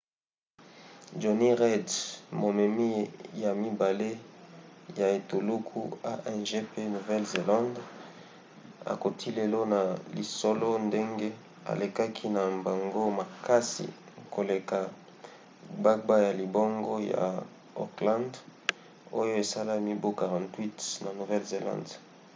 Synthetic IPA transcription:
d͡ʒo˨ni˦ʁɛ˦dmo˨mɛ˨mi˦ja˨mi˦ba˨le˦ | ja˨e˨to˨lu˦kʰṵ˦a˦ʔɛ˦nʒe˦pe˦nu˨vɛ˦lze˨lã˦nd | a̰˨ko˨tʰi˦le˨lo˦na˨li˨so˦lo˦nde˦ŋɡe˦ | a̰˨le˨ka˦kʰi˦na˨mba˨ŋɡo˦ma˨ka˦sḭ˨ | ko˨le˨ka˨ | ba˦k̚ba˦ja˨li˨bo˦ŋɡo˦ja̰˨ | o˨klã˦nd | o˦jo˦e˨sa˦la˦mi˦bo˦ka˨ʁã˨ntwi˦tna˨nu˨vɛ˦lze˨lã̰˦˨nd

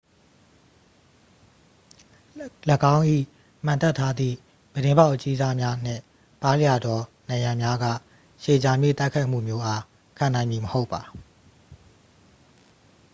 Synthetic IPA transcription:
lə˦kã˦ʊ̃ʔḭ˦˨ | m̥ã˨nt̪ɛ˦˨tʰːa˦d̪ðḭ˦˨ | b̥əɾɪ̃˦mba˦ʊʔət͡ɕi˦za˦mja˦n̥ɪ̰̃˦˨ | pa˦lja˨dɔ˨nã˨ɪ̃jã˨mja˦ɡä̰˦˨ | ʃe˨d͡ʑa˨mjḛ˦˨t̪a˦ɪkʰa˦ɪʔm̥ṵ˦˨mjo˦ʔa˦ | kʰã˨nã˨ɪ̃mji˨məho˦ʊpːa˨

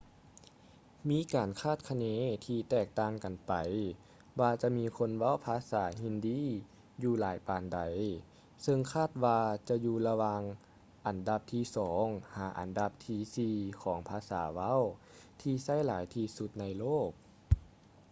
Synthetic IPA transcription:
miː˧˥kaː˨˩nkʰaː˥˩t̪̚kʰa˧neː˧˥t̪ʰiː˧t̪ɛː˧˩k̚t̪aː˧ŋka˨˩npa˨˩j | waː˧t͡ɕa˧˦miː˧˥kʰo˧˥nʋa˧˥˨wpʰaː˧˥saː˩˦ɦi˧ndiː˧˥ | juː˧laː˨˦jpaː˨nda˨˩j | sɤ˧ŋkʰaː˥˩t̪̚waː˧t͡ɕa˧juː˧la˧wa˧ŋ | ʔa˨˩nda˧p̚t̪ʰiː˧˩sɔː˩˦ŋhaː˨˩˦ʔa̰˨˩nda˧p̚t̪ʰiː˧˩siː˧kʰɔː˩˦ŋpʰaː˧˥sa̰ː˨˩˦ʋa˧˥˨w | t̪ʰiː˧sa˥˩˨jlaː˨˦jt̪ʰiː˧su˧˦t̪̚na˧jloː˥˩k̚

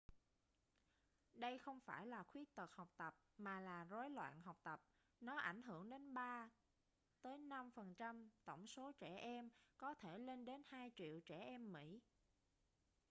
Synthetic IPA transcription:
ɗə˧jxə˧wŋ͡mfaː˧˩jlaː˨˩xwi˦˥k̚t̪ə˨˩t̚hɔ˨˩wk͡p̚t̪ə˨˩p̚maː˨˩laː˨˩zo˨˦jlwa̰ː˧˨nɦa˨˩wk͡p̚t̪ə˨˩p̚ | nɔ˨˦ʔa˧˩jŋ̟ɦɨ˧˩əŋɗe˨˦nɓaː˧ | t̪əː˨˦jna˧mfə˨˩nt͡ɕa˧mt̪ə˧˩wŋ͡mso˨˦t͡ɕɛ˧˩ʔɛ˧mkɔ˨˦t̪ʰe˧˩le˧nɗe˨˦nhaː˧jt͡ɕḭ˧˨əwt͡ɕɛ˧˩ʔɛ˧mːḭ˧˥

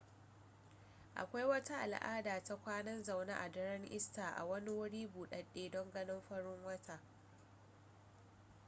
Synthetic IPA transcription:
ʔa̰˨kʷa˦jwɐ˦ta˦ʔa̰˨lʔa̰ː˦daː˨ta˦kʷaː˦nɐ˦nza˨wna̰˦ʔa̰˨dɐ˦ɾɐ˦ŋʔɪ˦staː˨ʔa̰˨wɐ˦ni˦wʊ˦ɽiː˦buː˨ɗɐ˨ɗeː˦dɔ˦ŋɡɐ˦nɪ˦mɸɐ˦ɽɪ˦ŋwɐ˦tʰa˨

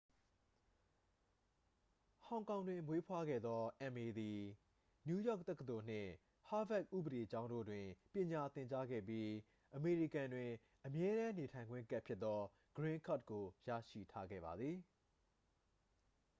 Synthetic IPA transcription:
hã˨ʊ̃kã˨ʊ̃ndwɪ̃˨mwe˦pʰwa˦ɡɛ̰˦˨d̪ðɔ˦ʔɛ̃˨me˨d̪i˨ | nju˦jɔ̰˦˨k̚t̪ɛ˦kət̪o˨n̥ɪ̰̃˦˨ | ha˦vɛ˦˨k̚ʔṵ˦˨bəde˨t͡ɕã˦ʊ̃ndo̰˦˨dwɪ̃˨pjɪ̃˨ɲa˨t̪ɪ̃˨ɲt͡ɕa˦ɡɛ̰˦˨p̬ji˦ | ʔəme˨ɹi˦˨kã˨ndwɪ̃˨ | ʔəmjɛ˦ɾã˦ne˨tʰã˨ɪ̃ŋɡwɪ̰̃˦˨ŋka˦ʔpʰjɪ˦t̪ːɔ˦ | ɡ̥ɹɪ̃˦ŋkʰa˦˨t̚ko˨jä̰˦˨ʃḭ˦˨tʰa˦ɡɛ̰˦˨ba˨d̪ði˨

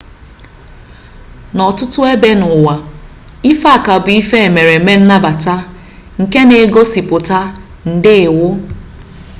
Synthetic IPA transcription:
nɔ˨tʊ˦tʊ˦e˦be˦nʊ˨wa˨ | i˦fa˦˨ka˨bʊ˨i˦fe˦e˨me˨ɾe˨me˦n̩˦na˦ba˨ta˦ | ŋ̩˨ke˦ne˨˦ɡo˦si˨pʊ˨ta˦ | n̩˨dɪ˦˨wʊ˦

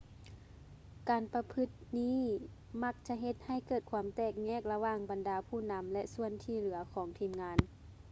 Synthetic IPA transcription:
kaː˨˩npa˧pʰɯ˧˥t̪̚niː˥˨ | ma˧˥k̚t͡ɕa˧˥ʔɦe˧t̪̚ha˧˩jkɤː˧˩t̪̚kʰwuː˧˦mt̪ɛː˧˩k̚ɲɛː˧˥˨k̚la˧waː˧˩ŋba˨ndaː˨˦pʰuː˧˥˩na˧˦˥mlɛ˧ʔsu˧˨ənt̪ʰiː˧˩lɯ˩˦ɐkʰɔː˩˦ŋt̪ʰiː˧˩mŋaː˧˥n

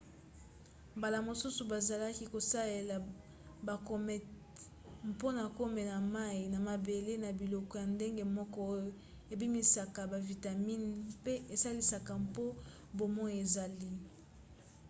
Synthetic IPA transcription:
mba˨la˨mo˨su˦su˨ba˨za˨la˦ki˦ko˨sa˦le˨la˨ | ba˨ko˦mɛ˨ | mpo˦na˨ko˦me˨na˨ma˦i˨na˨ma˨be˨le˦na˨bi˨lɔ˨kɔ˨˦ja˨nde˦ŋɡe˦mɔ˦kɔ˦o˦jo˨ | e˨bi˦mi˨sa˨ka˨ba˨vi˨ta˨mi˦npe˦ʔe˨sa˦li˦sa˨ka˨mpo˦ | bo˨mɔ˦je˨za˨li˦

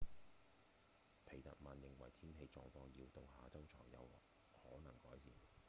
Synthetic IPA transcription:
pʰe˨˩jt̪ɐ̰˨t̚maː˨njɪ˨ŋwɐ˨˩jt̪ʰiː˥nɦe˧jt͡sɔ̰ː˧ŋfɔː˧ŋjiː˧wt̪ʊ˨ŋhaː˨t͡sɐ˥wt͡sʰɔː˨˩ŋjɐ̰˨˧w | hɔː˨˥nɐ˨˩ŋkɔː˨˥jsiː˨˩n

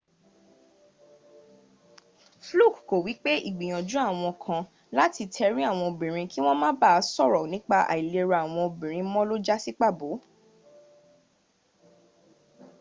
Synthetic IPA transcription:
flu˦˨kko˨wi˨˦k͡pe˦ʔḭ˦˨ɡ͡bi˨j̃ã˨d͡ʒu˨˦a˦˨w̃ɔ̃˧kʰã˧ | la˦ti˧tʰɛ˧ɾi˦a˦˨w̃ɔ̃˧o˨bĩ˨ɾ̃ĩ˧ki˦w̃ɔ̃˦mã˦ba˦˧sɔ˦˨ɾɔ˨nĩ˨˦k͡pa˧ʔa̰˨i˨le˧ɾa˧a˨w̃ɔ̃˧o˨bĩ˨ɾ̃ĩ˧mɔ̃˦lo˦d͡ʒa˦si˦k͡pa˦˨bo˨˦

